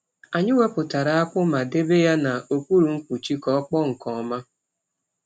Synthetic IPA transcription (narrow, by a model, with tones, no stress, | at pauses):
a˨ɲɪ˦we˦pʊ˨ta˨ɾa˨a˦kʷʊ˦ma˨de˦be˦ja˦na˨o˨kʷu˦ɾu˨ŋ̩˦kʷu˨t͡ʃi˦kɔ˨˦k͡pɔ˦ŋ̩˨kɔ˨ma˦